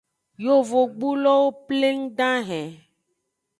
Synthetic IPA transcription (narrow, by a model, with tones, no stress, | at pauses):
jo˦vo˨ɡ͡bu˦lɔ˦wo˦ple˦ŋ̩˦ɖã˦ɦɛ̃˨